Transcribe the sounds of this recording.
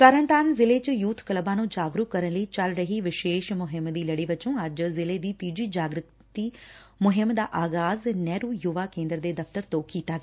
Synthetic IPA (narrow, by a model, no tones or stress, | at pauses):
səɾənt̪aːnzɪleːt͡ʃəjuːt̪ʰkəlbãːnũːd͡ʒaːɡɾukkːəɾənləiːt͡ʃəlɾəɦiːʋɪʃeːʃmʊɦɪmd̪iːləɽiːʋɪt͡ʃõːəd͡ʒzɪleːd̪iːt̪iːd͡ʒiːd͡ʒaːɡɾʊk | t̪iː | mʊɦɪmd̪aːʔaːɡaːznɛːɾuːjuːʋaːkẽːnd̪əɾd̪eːd̪əft̪əɾt̪õːkiːt̪aːɡɛː